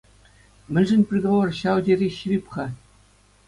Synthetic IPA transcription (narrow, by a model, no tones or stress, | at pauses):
mʲɘ̆lʲʐɘ̆nʲpʲrʲeɡ̪ovorɕɑwdʲerʲiɕirʲipχɑ